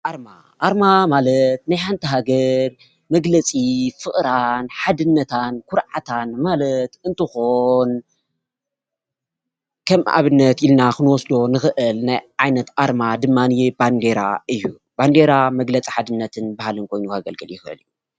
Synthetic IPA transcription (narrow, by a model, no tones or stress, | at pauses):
ʔaɾma̰ | ʔaɾmamalɐt̪najħant̪ʰiɦaɡɐɾ | mɐɡlɐt͡sʼifɨχʼɾanħad̪ɨnːɐt̪ʰankʰʊɾʕat̪ʰanmalɐt̪ɨnt̪ʰɨxon | kʰɐmʔa̰βɨnːɐt̪ilnakɨnwɔsd̪o̞nɨxɨʔɨlnajʕajnɐt̪aɾmad̪ɨmːaniband̪eɾa̰ʔɨjːu | b̥and̪eɾamɐɡlɐt͡sʼi̥ħad̪ɨnːɐt̪ʰɨnbahalɨnkʰo̞jnuhaɡɐlɡɨljɪxɨ̰lju